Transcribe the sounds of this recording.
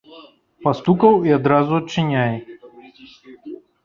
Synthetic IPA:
past̪ukɐwiad̪ɾazuɐt̪t͡ʂːɨnʲaj

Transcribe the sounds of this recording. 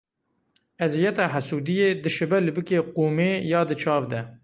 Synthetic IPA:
ɛzijɛt̪ɑːɦasuːd̪ijeːd̪ɨʃɨbɛlɨbɨkeːquːmeːjɑːd̪ɨt͡ʃʰɑːvd̪ɛ

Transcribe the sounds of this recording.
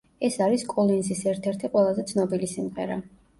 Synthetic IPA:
ɛsaɾiskʼɔlˠinzisɛɾt̪ʰɛɾt̪ʰiqʼwɛlˠazɛt̪sʰnɔbilisimʁɛ̰ɾa

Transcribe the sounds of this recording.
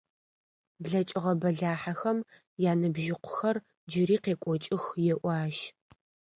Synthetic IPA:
bɮɐt͡ʃʼɪʁɐbɐɮaːħaxɐm | jaːnɨbʒɪqʷʊ̥xɐr | d͡ʒɪɾiːqeːkʷʼɔt͡ʃʼɪxjɛʔʷɑːʃ

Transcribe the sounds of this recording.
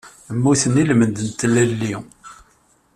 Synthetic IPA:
əmːuθənilmənd̪ənt̪lælːi

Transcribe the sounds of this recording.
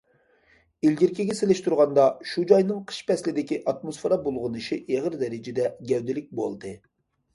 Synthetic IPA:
ilɡʲiɾkʲiɡʲɛselɪʃt̪uɾʁɑnd̪ɑʃud͡ʒɑjnɨŋqʰə̥ʃpɛslɪd̪ɪkʲiʔɑt̪mosfeɾɑbolˠʁʊnɨʃiʔeʁəɾd̪ɛɾɪd͡ʒɪd̪ɛɡʲɛwd̪ɪlɪk̚ʲbo̰lˠd̪ɨ

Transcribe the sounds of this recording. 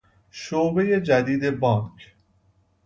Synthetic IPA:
ʃoːbe̞jed͡ʒæd̪iːd̪e̞bɒːnkʰ

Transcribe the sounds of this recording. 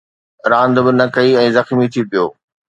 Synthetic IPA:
ɾãːnd̪bɪnɐkɐiɛ̃ːzɐxmit̪ʰipijo̰ː

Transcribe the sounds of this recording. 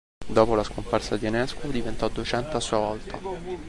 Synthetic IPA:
d̪ɔːpolaskomparsad̪iɛnɛskod̪ivent̪ɔd̪uet͡ʃɛnt̪asːuːavɔlt̪ʰa

